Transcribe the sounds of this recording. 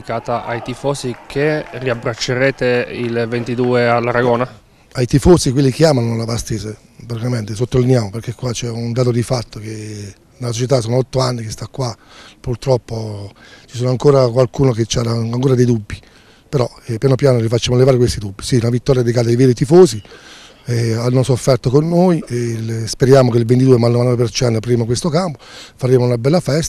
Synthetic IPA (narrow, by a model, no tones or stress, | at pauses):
kaːt̪aʔajt̪ifɔːsikʰeriabɾat͡ʃːeɾɛːt̪eilvent̪id̪uːealːaɾaɡoːna | ajt̪ifoːsikwelːikeaːmanolabast̪eːze | pɾat̪ikament̪esot̪ːolinjaːmoperɾkekwat͡ʃɛund̪aːt̪̬od̪ifat̪ːoke | nelːasot͡ʃet̪̬asoːnoɔt̪ːoanːikest̪akːwa | purt̪ɾɔpːo | t͡ʃisoːnoaŋkoːɾakwalkuːnoket͡ʃːaaaŋkoːɾad̪ejd̪ubːi | peɾɔ | ɛpːjaːnopjaːnolifat͡ʃːamolːevaɾekwest̪id̪ubːisiunavit̪ːɔːɾjad̪ekaːt̪aivɛːɾit̪ifoːsi | ɛanːosofːɛrt̪okonːoːjespeɾjaːmokeilvent̪̬id̪uːemanːomanːɔvep̬ert͡ʃɛnt̪apɾiɾemokwest̪okampo̥faɾemounabɛlːafɛst̪a